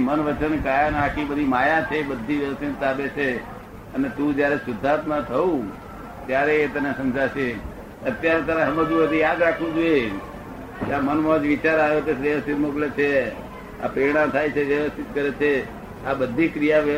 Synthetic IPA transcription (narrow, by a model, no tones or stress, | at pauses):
mənʋət͡ʃənkajanãkʰibəd̪ʱimajat͡ʃʰebəd̪ʱːiʋjəʋəst̪ʰint̪abet͡ʃʰe | ənet̪ũd͡ʒjaɾesʊd̪ʱːat̪mãt̪ʰəũ | t̪jaɾeːt̪ənesəmd͡ʒaʃe | ət̪jaɾet̪aɾeɦəmẽd͡ʒũbəd̪ʱijad̪ɾakʰʋũd͡ʒoe | keamənmod͡ʒʋit͡ʃaɾajot̪esʋəʋəst̪ʰit̪moklet͡ʃʰe | a̰pɾəiɽ̃ãmt̪ʰajt͡ʃʰeʋjəʋəst̪ʰɪt̪̚kəɾet͡ʃʰe | abəd̪ʱːikɾijaʋə